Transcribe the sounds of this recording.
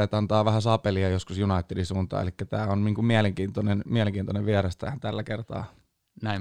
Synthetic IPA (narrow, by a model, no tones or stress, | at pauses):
et̪ɑnt̪ɑːʋæhæsɑpeliɑjoskusjunɑit̪ːedisuːnt̪ɑ̰ːḛlikːæt̪æːonniːŋkummiæleŋkiːnt̪onenmiæleŋkiːnt̪oneʋʋiæɾɑst̪æ̰ːænt̪ælːækert̪ɑ̰ː | næi